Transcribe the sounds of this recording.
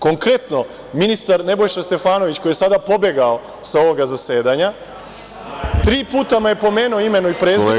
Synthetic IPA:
ko̞ŋkɾe̞t̪no̞ | minist̪aɾne̞bo̞jʃast̪e̞faːno̞ʋit͡ɕkojesad̪apo̞be̞ɡao̞ | sao̞ʋoɡazase̞ːd̪aɲa | t̪ɾiːpuːt̪amaje̞po̞me̞ːnuoime̞nuipɾeː

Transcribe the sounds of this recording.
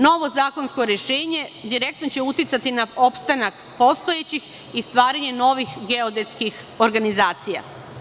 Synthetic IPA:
no̞ʋo̞zaːko̞nsko̞ɾjeʃeːɲe̞d̪iɾe̞k̚t̪not͡ɕe̞ut̪it̪sat̪inao̞pst̪anak | po̞st̪ojet͡ɕix | ist̪ʋaːɾaɲe̞no̞ʋixɡeod̪eskix | oɾɡanizaːt̪sija̰

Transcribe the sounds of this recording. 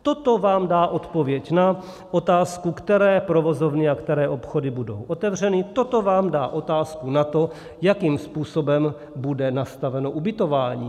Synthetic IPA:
t̪ot̪o̞vaːmdaːʔo̞t̪po̞vjɛcna | ʔot̪aːskukt̪ɛɾɛːpɾovo̞zovnɪakt̪ɛɾɛːʔo̞pxo̞dɪbudo̞̰wʔot̪ɛvr̝ɛnɪt̪o̞t̪o̞vaːmda̰ːʔo̞t̪aːskunat̪o̞ | jakiːmspuːso̞bɛm | budɛnast̪avɛno̞ʔubɪt̪o̞vaːɲḭː

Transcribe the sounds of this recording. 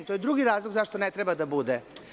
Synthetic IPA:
t̪ojed̪ɾuɡiɾaːzlˠoɡzaʃt̪onet̪ɾebad̪abud̪e

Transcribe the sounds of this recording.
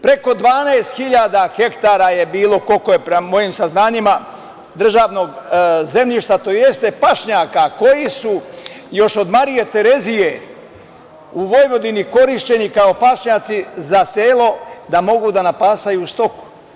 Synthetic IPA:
pɾe̞ko̞d̪ʋaːnaest̪xiʎaːd̪axe̞kt̪aːɾaje̞biːlo̞ko̞ko̞jepɾemo̞jimsaznaːɲima | d̪r̩ʒaːʋno̞ɡze̞mʎiʃt̪at̪o̞je̞st̪e̞paʃɲaːkako̞jisujo̞ʃo̞d̪maɾije̞t̪e̞ɾe̞zije̞ | uʋo̞jʋo̞d̪iniko̞ɾiʃt͡ɕe̞nikao̞paʃɲaːt̪sizaseːlˠo̞d̪amo̞ɡud̪anapaːst̪ajuːst̪o̞ku̥

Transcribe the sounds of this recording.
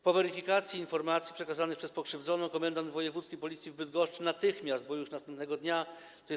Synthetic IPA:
pɔvɛɾifʲikat̪sʲjiːnfɔɾmat̪sʲjipʂɛkazanɘxpʂɛspɔkʂɘvd̪zɔnɔ̃w̃kɔmɛnd̪and̪vɔjɛvut̪skʲipɔlʲit̪sʲivbɘd̪ɡɔʂt͡ʂɘnat̪ɘxmʲjazd̪̚bɔjuʂnast̪ɛmpnɛɡɔd̪ɲa | t̪ɔɛ

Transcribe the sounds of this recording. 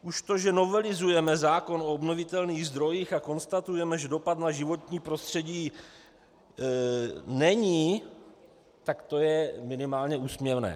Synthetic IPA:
ʔuʃt̪o̞ʒɛno̞vɛlɪzujɛmɛzaːko̞no̞obnovɪt̪ɛlniːɣzd̪ɾo̞jiːxako̞nst̪at̪ujɛmɛʒɛdo̞pat̪naʒɪvo̞t̪ɲiːpɾo̞st̪r̥ɛɟiː | nɛɲiː | t̪akt̪o̞jɛmɪnɪmaːlɲɛuːsmɲɛvnɛ̰ː

